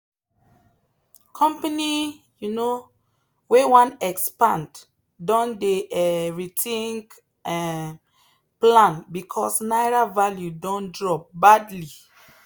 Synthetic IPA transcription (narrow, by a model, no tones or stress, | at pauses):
kʰɔ̃mpani | juno | wewãnɛkspãnd | dɔ̃ndeɛvitĩŋɡ | plãnbikʰɔsnajɾavaljudɔ̃ndɹɔp̚badli